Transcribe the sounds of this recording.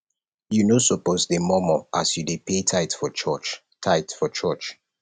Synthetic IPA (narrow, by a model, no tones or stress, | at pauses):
junosɔposdemɔmɔʔasjudepetʰaɪtfɔt͡ʃɔt͡ʃ | tʰaɪtfɔt͡ʃʰɔt͡ʃ